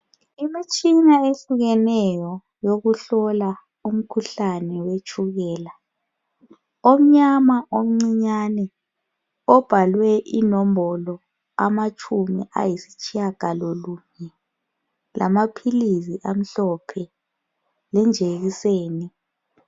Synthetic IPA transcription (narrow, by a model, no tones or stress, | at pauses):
imit͡ʃʼinaeɬuɣɛnɛjɔ | joɣuɬɔla | um̩kʰuɬanɛwet͡ʃʼuɣɛːla | om̩ɲamaʔom̩ŋ͡ǀiɲanɛ | ɔb̥ʱalwɛʔinombɔlɔ | amat͡ʃʰʼumḭʔa̰jisi̥t͡ʃʼijaɡ̥ʱaloluɲɛ | lʔa̰mapʰilisiʔam̩ɬɔpʰɛ | lɛnd͡ʒʱeɣiseːni